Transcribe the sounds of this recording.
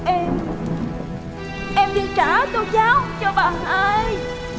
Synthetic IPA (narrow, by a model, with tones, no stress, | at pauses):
ʔɛ˧m | ʔɛ˧mɗɨ˧nkaː˧˩˦t̪o˧zaː˨˦wt͡ɕɔ˧ɓaː˨˩ɦaː˧˩j